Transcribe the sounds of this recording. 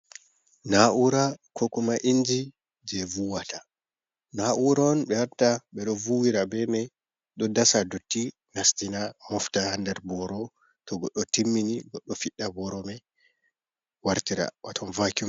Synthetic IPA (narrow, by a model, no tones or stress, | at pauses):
naʔuɾakʰɔkɔmaʔind͡ʒi | d͡ʒɛvuwata | naʔuɾanɓɛwaɾtaɓɛɗɔvuwiɾabɛmɛ | ɗɔdasadotːi | nastinamɔftahandɛɾbɔɾɔ | tɔɡɔɗːɔtimːiniɡɔɗːɔfiɗːabɔɾɔmɛ | waɾtiɾa̰watʰɔnvakum